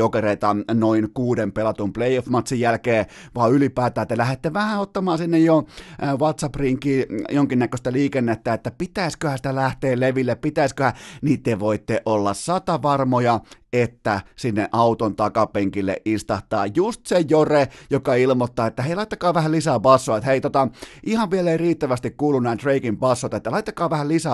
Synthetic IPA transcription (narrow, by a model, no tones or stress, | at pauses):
okereit̪ɑnoinkuːdempelɑt̪umpleˑiofmɑt̪sijjælkeːʋɑːylipæːt̪æːt̪elæhet̪ːeʋæhæot̪ːɑmɑːsinːejjoʋɑt̪sɑpriŋkiːjoŋkinːækøst̪æliːkenːet̪ːæet̪ːæpit̪æiskøhænsi̥t̪ælæht̪eːlleʋilːeppit̪æiskøhænit̪ːeʋoit̪ːeʔolːɑ̰ssɑt̪ɑʋɑrmojɑet̪ːæsinːḛʔʔɑut̪ont̪ɑkɑpeŋkilːḛʔʔist̪ɑht̪ːˑɑ̰ːjjust̪sejorejokɑilmot̪ːɑːet̪ːæheˑilɑit̪ːɑkɑːʋæhællisæpɑsːoɑet̪heit̪ot̪ɑʔihɑʋʋieleiriːt̪ːæʋæst̪ikkuːlunnæːt̪reikimpɑsːot̪et̪ːælɑit̪ːɑkɑːʋæhællisæ